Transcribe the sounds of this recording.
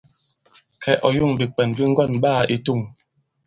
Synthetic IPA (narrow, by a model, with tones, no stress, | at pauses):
kʰɛ˨ʔɔ˨ju˦˨ŋbi˨k͡pɛ˨nbi˦ŋ̩˦ɡɔ˦˨nbaː˦˨ʔi˦tu˦˨ŋ